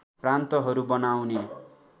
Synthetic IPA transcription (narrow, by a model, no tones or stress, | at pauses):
prant̪ʌɦʌɾubʌnawne